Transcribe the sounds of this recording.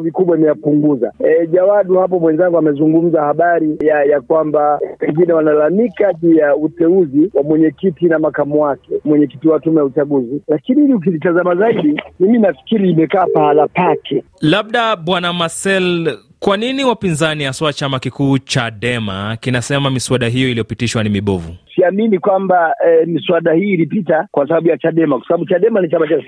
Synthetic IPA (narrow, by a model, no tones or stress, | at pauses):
vikuɓwaimɛjapuŋɡuza̰ɛʄawaɗuhap̬ɔmwɛnzaŋɡuamɛzuŋɡum̩zahaɓaɾijajakwambapɛŋɡinɛwanaɛlamikaʄuːjautɛuziwamwɛɲɛkitinamakamuwakɛmwɛɲɛki̥tiwatumɛjaut͡ʃaɠuzilakinihiliuk̬izitazamazaiɗimiminafi̥kiɾiːmɛkaːpaalapakʰɛ | laɓ̚ɗaɓwanamasɛl | kwaniniwapinzanihaswat͡ʃamakikuːt͡ʃaɗɛma̰kinasɛmamisuaɗaɦijɔilijɔpitiʃwanimiɓɔvusiaminikwambaɛmiswaɗahiːlipitakwasaɓaɓujat͡ʃaɗɛmakwḁsaɓaɓut͡ʃaɗɛmanit͡ʃamat͡ʃa